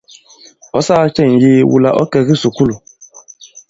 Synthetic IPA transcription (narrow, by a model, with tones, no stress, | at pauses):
ɔ˨˦sa˦t͡ʃɛ˦˨ŋ̩˨ji˦wṵ˨la̰˨ʔɔ̰˦kɛ˨ɣi˦su˨ku˦lo˨